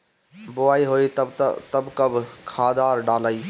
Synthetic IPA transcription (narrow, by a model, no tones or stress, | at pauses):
boaːiɦoit̪t̪əbkəbʱkʰaːd̪aːɾɖaːləi